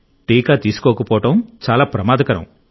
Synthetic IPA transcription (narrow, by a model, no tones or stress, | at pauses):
ʈiːkaːt̪iːsu̥kɔːkɐpɔːʈɐmt͡ʃaːlaːpɾɐmaːd̪ʱɐkɐɾɐ̰m